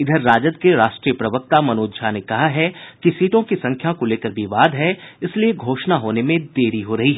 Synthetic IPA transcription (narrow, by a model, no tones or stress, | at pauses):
ɪd̪ʱəɾːaːd͡ʒəd̪keɾaːʃʈɾiːjəpɾɐʋək̚t̪amɐnoːd̪d͡ʒanekɐɦaɦɛkisiːʈõkisɐ̃ŋkʰjakoleːkəɾbʱiʋaːd̪ʱɦɛɪslieɡʱoːʃnaɦoːnemẽd̪eːɾiɦoɾɐɦiɦɛ